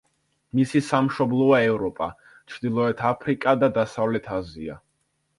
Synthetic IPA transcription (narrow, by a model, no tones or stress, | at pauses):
misisamʃɔblˠɔaɛvɾɔpʼa | t͡ʃʰɾd̪ilˠɔɛt̪ʰapʰɾikʼad̪ad̪asavlɛt̪ʰazia̰